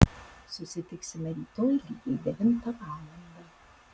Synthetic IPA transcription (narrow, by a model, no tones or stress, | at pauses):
sʊsʲɪt̪ʲɪksʲɪmʲɐɾʲiːt̪oːjlʲiːɡʲeːd̪ʲɛʋʲɪnt̪ɐʋɑːlˠɐnd̪ɐ